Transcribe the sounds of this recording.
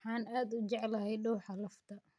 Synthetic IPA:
ħɑːnaːd̪ʊt͡ʃɛʕlɐhɛjɖɔwħɑlɐft̪ʰɐ

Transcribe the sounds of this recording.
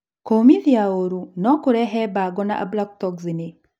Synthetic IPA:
komiðiaoɾunɔkʊɾɛɦɛbaɡɔna̰ʔa̰blak̚tɔkzinɪ

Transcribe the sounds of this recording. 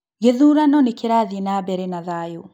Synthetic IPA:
ɡɛðuɾanɔnikiɾaðinabɛɾɛnaðaju

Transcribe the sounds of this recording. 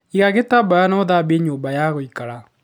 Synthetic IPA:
iɣaɣetabajanɔðabeɲoːbajaɣoikaɾa

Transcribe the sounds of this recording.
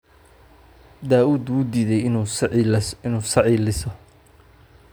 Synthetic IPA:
d̪aːuːd̪uːd̪iːðɛj | ɪnuːsɑʕiːlɪsɔ

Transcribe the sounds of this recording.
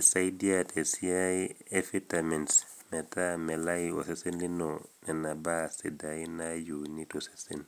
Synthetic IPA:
isajdiatesiaiefitamɛns | mɛtamɛlajio̰sesɛnlinonɛnabasidajinajunitɔse̥sen

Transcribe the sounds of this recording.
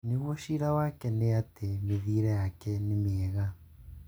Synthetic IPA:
neɣwɔʃiɾawakɛneatemeðiɾɛjakɛnemeɛɣa

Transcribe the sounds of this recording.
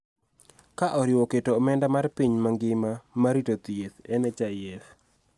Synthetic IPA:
kaʔɔɾɪwoketomɛndamarpiɲmaŋɡɪmamaɾitot̪jet̪ɛnɛt͡ʃajɛf

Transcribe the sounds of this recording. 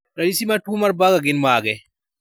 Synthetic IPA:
ɾadisimatumaɾbaɡaɡinmaːɡɛ

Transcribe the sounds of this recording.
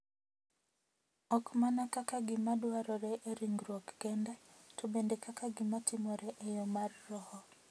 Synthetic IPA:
ɔkmanakakaɡɪmadwaɾɔɾeʔeɾiŋɡɾwɔkɡɛndatobendekakaɡɪmatɪmɔɾɛʔejɔmarːɔhɔ

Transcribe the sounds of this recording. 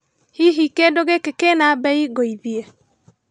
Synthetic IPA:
hiɦikedoɣekekenabɛiɣoiðie

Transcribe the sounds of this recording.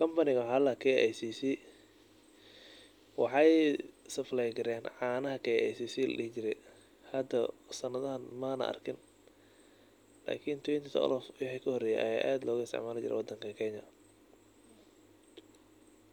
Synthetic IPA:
kʰɐmpɐnɪɣɐħaːlɐkʰɛɛ̰jsiːsi | wɑ̰ħɑjsɐflɛjɡɪɾɛːnʕɑːnɐɦɐkʰɛjɛ̰jsiːsiːlɐ̰ɗɪht͡ʃɪɾɛj | hɐd̪ɐsɐnɐðɐɦɐnmɐnɐ̰ʔɐ̰rkʰɪn | la̰ːkʰint̪ʰwɛnt̪ʰit̪ʰɔ̰ɔ̰lɔfwɪħikʰɐhɔrɛːjɛ̰ʔɐ̰ja̰ːʔaːd̪lɔːɣʊɪst̪ʰɛ̰ʕmaːlɐt͡ʃɪ̰ɾɛ̰wɑd̪ːɐŋkʰɐkʰɛɲɐ

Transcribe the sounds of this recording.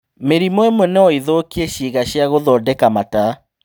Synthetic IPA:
meɾimoɛmwɛnɛɔiðokieɕiɣaɕjaɣoðɔːdɛkamata

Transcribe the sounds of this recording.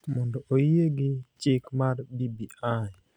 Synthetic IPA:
mɔndɔʔojeɡɪt͡ʃɪkmarbibiaj

